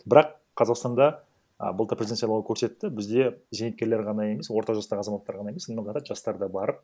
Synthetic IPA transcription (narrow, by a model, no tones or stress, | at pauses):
bɪɾɑqːʰɑzɑqst̪ɑnd̪ɑ̰ | bəlˠt̪əɾpɾezient̪sjlˠɑwkʰɵɾse̞t̪ːɪbɪzd̪e̞zenɪt̪kʲe̞ɾle̞ɾʁɑnɑje̞me̞swo̞ɾt̪ɑʒɑst̪ɑʁəɑzɑmɑt̪ːɑɾʁɑnɑjemesəneɑt̪ɑt̪ʒɑst̪ɑɾd̪ɑbɑɾəp̚